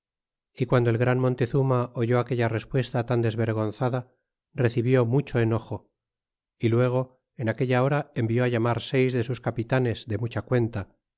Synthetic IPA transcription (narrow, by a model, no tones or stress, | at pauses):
ikwand̪olɣɾanmont̪e̞θumaoʝo̞ake̞ʎare̞spwe̞st̪at̪and̪e̞zβe̞ɾɣo̞nθaða | re̞θiβjo̞mut͡ʃo̞eno̞xo̞ | ilwe̞ɣ̞o̞ | enake̞ʎao̞ɾaembjo̞aʝamaɾse̞jzðe̞suskapit̪ane̞zðemut͡ʃakwe̞nt̪a